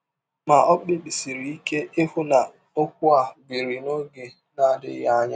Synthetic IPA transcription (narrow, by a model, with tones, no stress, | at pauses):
ma˨ʔɔ˦k͡pe˦k͡pi˨si˨ɾi˨i˦ke˦ʔɪ˦fʊ˦na˨ | o˦kʷʊ˦a˨ɡi˨ɾi˨no˦ɡe˨ | na˦˨dɪ̰˦ja˦ɲa̰˦